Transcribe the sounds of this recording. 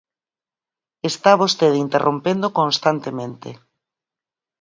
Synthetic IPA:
est̪aβost̪eðint̪erʔompend̪okõnst̪ant̪emẽnt̪ḛ

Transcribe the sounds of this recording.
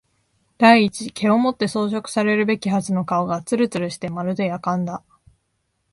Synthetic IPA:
d̪aiːt͡ɕike̞o̞mo̞t̪ːe̞so̞ːɕ̬o̞kɯ̟̥saɾe̞ɾɯ̟be̞kʲiɦazɨno̞kaoɡat͡sɨɾɯ̟t͡sɨɾɯ̟ɕi̥t̪e̞maɾɯ̟d̪e̞jakãnd̪a

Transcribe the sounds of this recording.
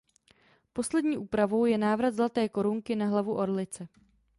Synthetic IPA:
po̞slɛdɲiːʔuːpɾavo̞wjɛnaːvɾat̪zlat̪ɛːko̞ɾuŋkɪnaɦlavuʔo̞ɾlɪt͡sɛ

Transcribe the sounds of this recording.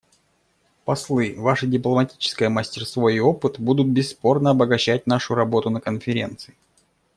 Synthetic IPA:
pɐslˠɨvaʂɨdʲɪplˠəmɐtʲi̥t͡ɕɪ̥skəjəmasʲtʲɪrst̪voio̞pɨt̪bud̪ʊt̪̚bʲɪsːpo̞rnəɐbəɡɐɕːæt̚ʲn̪aʂʊɾɐbo̞t̪ʊnəkənfʲɪɾʲe̞̰nt̪sɨɪ

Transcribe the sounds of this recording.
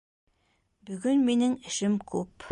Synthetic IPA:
bɵ̆ɡɵnminɘŋɘ̆ʃɘmkʰʉp

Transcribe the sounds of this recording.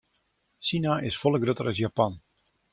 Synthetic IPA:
sinaʔɪsfɔlˠəɡrotəɾəsjapan

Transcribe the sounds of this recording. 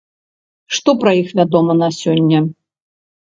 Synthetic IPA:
ʂt̪ɔpɾɐjixvʲad̪ɔmɐnasʲɔnʲːɐ

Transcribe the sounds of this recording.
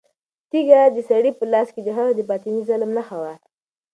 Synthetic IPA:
t̪iɡad̪əsaɽipəlɑsked̪əɦaɣd̪əpɑt̪inizalmnaxawa

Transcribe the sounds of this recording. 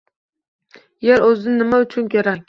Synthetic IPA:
jeɾɵzd̪ɪnɪmaʊt͡ʃʰʊnkʲʰoɾakʲ

